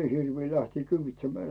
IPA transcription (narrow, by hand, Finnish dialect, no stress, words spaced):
em mie hirʋiː læhtiː kyːʋitsemːæː